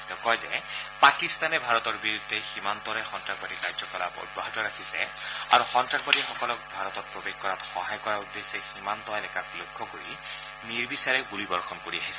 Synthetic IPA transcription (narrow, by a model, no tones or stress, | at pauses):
tɛʊkɔjzɛ̰pakist̪anɛbʱaɹɔtɔɹbiɹudʱːɛximant̪ɔɹɛxɔntɹakbadikaɹzɔkɔlapɔ̰d̚bɔɦatɔɹakʰisɛ̰a̰ɹuxɔntɹakbadixɔkɔlɔk̚bʱaɹɔtɔt̚pɹobexkɔɹatxɔɦajkɔɹaud̪ːesɛximant̪ɔɛnɛkapuloɡʱːɔkoɹḭ | niɹbisaɹɛbulibɔɹxʰɔmkoɹiaɦisɛ